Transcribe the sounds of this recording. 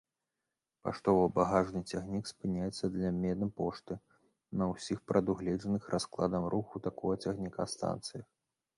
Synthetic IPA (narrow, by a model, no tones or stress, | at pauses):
pa̰ʂt̪ɔvɐbaɣaʐnɨt͡sʲaɣnʲikspɨnʲajɛt̪sːɐd̪lʲɐmʲɛd̪ɐpɔʂt̪ɨ | nɐwsʲixpɾɐd̪uɣlʲɛʐɐnɨxɾʔasklˠa̰d̪ɐmɾʔuxut̪akɔɣɐt͡sʲɐɣnʲika̰st̪a̰nt̪sɨjɐ